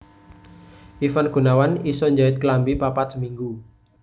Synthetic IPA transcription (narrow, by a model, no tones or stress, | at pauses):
ʔifanɡ̥ṳnawanisɔɲd͡ʒaɪt̪̚klambipapat̪səmiŋɡu